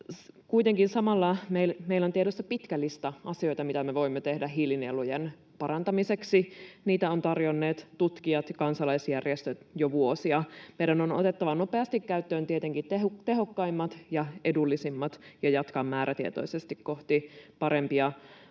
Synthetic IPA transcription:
kuit̪eŋkinsɑmɑlːɑmeilmeilːont̪ieɾost̪ɑpit̪kælːist̪æʔɑsio̞jt̪ɑmit̪æmeʋo̞imːet̪ehdæɦilinelujen | pɑɾɑnt̪ɑmiseksiniːt̪æont̪ɑrjonːeːt̪t̪ut̪kiɑt̪ɑkɑnsɑlɑisjærjest̪øt̪joʋuosiɑmeidænono̰t̪et̪ːɑʋɑnopeɑst̪ikːæyt̪ːøːnt̪iet̪eŋkit̪eɦokt̪eɦokːɑimːɑt̪jɑʔedulːisimːɑt̪jɑjɑt̪kɑmːæːɾʔæt̪iḛt̪o̞̰isest̪ikkoht̪ipɑɾempiɑ

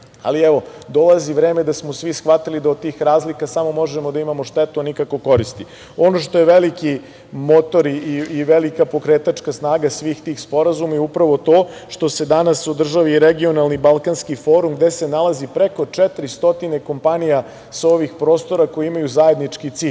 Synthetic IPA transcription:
a̰liɛʋo̞d̪o̞laziʋɾeːme̞d̪asmo̞sʋisxʋat̪ilid̪aod̪̚t̪iːxɾaːzlikasamo̞mo̞ʒemod̪aimamo̞ʃt̪et̪uanikako̞ko̞ɾist̪i | o̞no̞ʃt̪o̞jeʋeliki | mo̞t̪o̞ɾiiːʋelikapo̞kɾeːt̪at͡ʃkasnaːɡasʋiːxt̪iːxspo̞ɾazumaiupɾaʋo̞t̪o̞ːʃt̪o̞se̞d̪anasod̪r̩ʒaʋiːɾeɡio̞nalˠnibalˠkanskifo̞ːɾumɡd̪ese̞nalˠazipɾeko̞t͡ʂɛt̪ɾist̪o̞t̪ine̞ko̞mpanija | sao̞ʋixpɾo̞ːst̪o̞ɾako̞jiimajuzae̞d̪nit͡ʃkit̪siːʎ

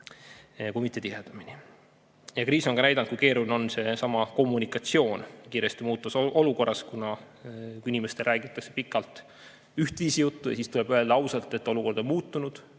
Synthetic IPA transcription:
kujmit̪ːˑe̞t̪ied̪̥ɑmini | jɑkriːso̞nkɑnæjd̪ɑnd̪kujke̞ːɾuneo̞nse̞sɑmɑko̞mːunikˑɑt̪sio̞ːnkiːɾest̪imuːt̪ːˑuso̞luko̞rːɑskunɑ | kinimest̪e̞lræːɡit̪ːˑɑkse̞̥pikːˑɑlt̪ˑ | yht̪viːsijut̪ːujɑ̰sist̪ule̞b̥yeld̪ɑɑwsɑlt̪ːˑe̞t̪ːˑo̞luko̞rd̪o̞nmuːt̪ːˑunud̪̥

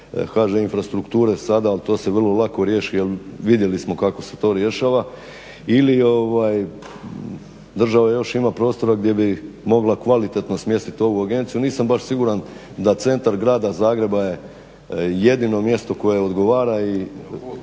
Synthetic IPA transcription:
kaːʒeinfɾast̪ɾukt̪uːɾe̞sad̪aːlt̪o̞ːse̞ʋrlˠolˠako̞ɾje̞ʃijelʋid̪je̞lismo̞kako̞se̞̥t̪o̞ːɾje̞ʃaːʋa | ilio̞ʋaj | d̪r̩ʒaʋajo̞ʃimapɾo̞ːst̪o̞ɾaɡd̪je̞bimo̞ɡlakʋalit̪e̞t̪nosmje̞st̪it̪o̞ʋuaɡe̞nt̪sijuniːsambaʃsiɡuɾan | d̪at̪se̞nt̪aɾɡɾaːd̪azaːɡɾe̞baje̞ | je̞d̪ino̞mje̞st̪o̞ko̞je̞o̞d̪ɡo̞ʋaːɾai

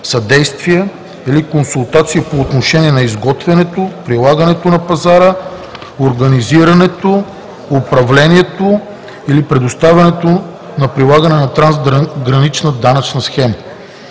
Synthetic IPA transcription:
sɐd̪ɛjst̪viɛ | ilikonsulˠt̪at̪sijəpoːt̪noʃɛniɛnɐizɡɔt̪vɛnɛt̪opɾilˠaɡənɛt̪onɐpɐzaɾə | oɾɡɐniziɾɐnɛt̪oː | pɾɐvlɛniɛt̪o | ilipɾɛd̪ost̪avʲɐnɛt̪o | nɐpɾilˠaɡɐnɛnɐt̪ɾanzɡɾɐnit͡ʃnəd̪anɐt͡ʃnəsxɛmə

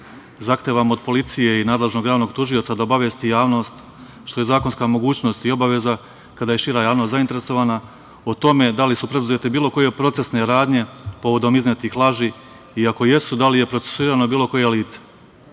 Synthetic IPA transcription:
zaxt̪eːʋamo̞d̪̚po̞lit̪sije̞inaːd̪le̞ʒno̞ɡjaːʋno̞ɡt̪uʒiot̪sad̪aobaʋjest̪ijaːʋno̞st̪ | ʃt̪o̞je̞zaːko̞nskamo̞ɡuːt͡ɕno̞st̪io̞baʋe̞za | kad̪aːje̞ʃiɾajaːʋnost̪zaint̪eɾe̞so̞ʋaːna | ot̪o̞me̞d̪alisupɾe̞d̪uzet̪ebiːlo̞ko̞je̞pɾo̞t̪se̞sne̞ɾaːd̪ɲe̞po̞ʋo̞d̪o̞mizmet̪ixlˠaːʒiː | iako̞je̞sud̪alije̞pɾose̥suiːɾano̞biːlˠo̞ko̞je̞liːt̪se̥

